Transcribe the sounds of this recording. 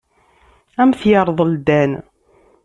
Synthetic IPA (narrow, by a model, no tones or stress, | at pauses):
æmθjɑɾˤðˤld̪æn